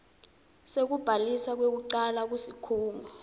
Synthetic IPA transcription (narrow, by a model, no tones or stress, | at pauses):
sek̬ub̥ʱalisak̬wek̬uǀalak̬wusikʰuːŋʱɔ